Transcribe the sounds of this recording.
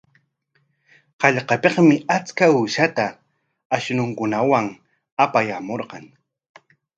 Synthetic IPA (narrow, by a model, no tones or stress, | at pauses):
qɑʎqɑpeqmɪat͡skauːʃat̪a | aʃnʊŋkʊnawaŋ | apajamoɾqɑŋ